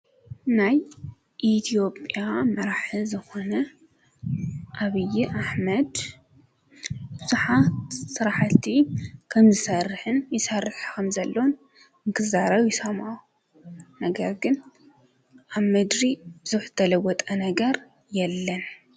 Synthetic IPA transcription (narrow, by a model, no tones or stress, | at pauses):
naj | ʔit̪ʰijo̞pʼjamɐɾaħɨzɨxonɐ | ʔaβɨjiʔaħmɐd̪ | bɨzuħat̪sɨɾaħlt̪ʰikʰɐmzɨsɐrħɨnjɪsɐrːɨħkʰɐmzɐlːown | ɨŋkʰɨzaɾɐβjɪsoma | nɐɡɐɾɡɨn | ʔaβmɨd̪ɾib̥ɨzuħzɨt̪ʰɐlɐwɔt̪ʼɐnɐɡɐɾ | jɛlːɐn